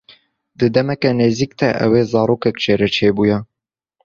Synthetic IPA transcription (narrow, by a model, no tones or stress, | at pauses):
d̪ɨd̪ɛmɛkɛneːziːkt̪ɛʔɛ̰weːzɑːɾoːkɛkt͡ʃʰeːɾɛt͡ʃʰeːbujɛ